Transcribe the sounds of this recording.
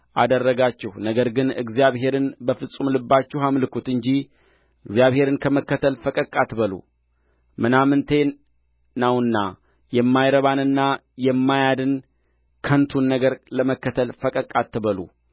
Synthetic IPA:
ʔad̪ərːəɡat͡ʃːɛhnəɡəɾɡɨnɨ̰ɡzijaβɦe̞ɾɨnbəfɨsʼumlɨbːat͡ʃːɛhamlɨkʰut̪ɨɲd͡ʒih | ɨɡzjaβhe̞ɾɨnkʰəməkːət̪ʰəlfəkʼəkʼːat̪bəlṵ | mɨnamɨnt̪ʰe̞ | nawɨnːa | jɛmːajɾəβanɨnːa | jɛmːajad̪ɨn | kʰənt̪ʰunːəɡəɾləməkːət̪ʰəlfəkʼəkʼːat̪ʰːɨβəlṵ

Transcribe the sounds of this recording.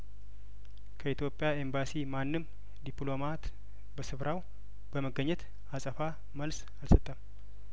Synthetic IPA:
kʰəit̪ʰjo̞pʼjae̞mbasimanːɨm | d̪ipʼlo̞mat̪ | bəsɨβɾʔaw | b̥əməɡːəɲːɛt̪ | asʼəfa | məls | alsət̪ʼːəm

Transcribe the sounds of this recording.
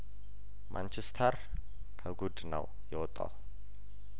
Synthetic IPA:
mʔa̰nt͡ʃʰɛst̪ʰəɾ | kʰəɡud̪nə̰w | jɛwɔt̪ʼːa̰w

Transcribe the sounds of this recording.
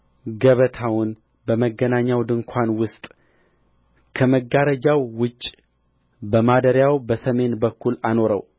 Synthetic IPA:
ɡəβət̪ʰawʊn | bəməɡːənaɲːawd̪ɨŋkʷʰanwʊst̪ʼ | kʰəməɡaɾəd͡ʒawːʊt͡ʃʼː | bəmad̪əɾjawbəsəme̞nbəkʰːulano̞ɾə̰w

